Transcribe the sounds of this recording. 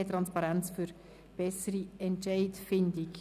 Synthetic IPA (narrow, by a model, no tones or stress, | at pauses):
ɛt̪ɾɑnspɑɾænt͡sfyɾ | b̥ɛsəɾiɛntʃɛɪdfɪndik